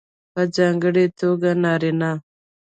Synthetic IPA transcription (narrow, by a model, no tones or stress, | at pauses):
pad͡ʒɑːŋɡəɽet̪oːɡanaːɾina